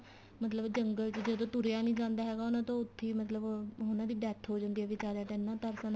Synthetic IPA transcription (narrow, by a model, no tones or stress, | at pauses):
mət̪ləbd͡ʒəŋɡəlt͡ʃd͡ʒəd̪õːt̪ʊɾejaːnĩːd͡ʒãːnd̪aːɦɛːɡaːonãːt̪õːʊt̪ʰːeːmət̪ləbɦonãːd̪iːɖɛːʈ̪ʰɦoːd͡ʒənd̪iːɛːʋɪt͡ʃaːɾaːt̪enːãːt̪əɾsən